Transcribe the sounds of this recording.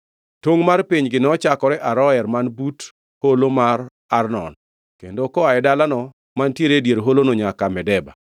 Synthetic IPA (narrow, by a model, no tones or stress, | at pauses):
toŋmarpiɲɡɪnɔt͡ʃakɔɾɛʔaɾɔɛrmanbut | holomar | arnɔ̰n | kendokɔaɛdalanɔ | mantjeɾedjeɾɦolonoɲakamɛdɛba̰